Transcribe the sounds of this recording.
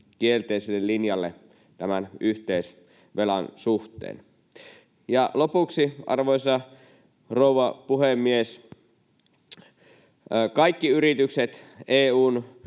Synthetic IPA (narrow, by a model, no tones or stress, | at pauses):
kielt̪eiselːellinjɑlːḛ | t̪æmænyht̪eis | ʋelɑnsuht̪ˑḛːn | jɑlopuksiʔɑ̰rʋoisɑ | rouʋɑpuhemːies | kɑikːiyrit̪ykset̪eːuːn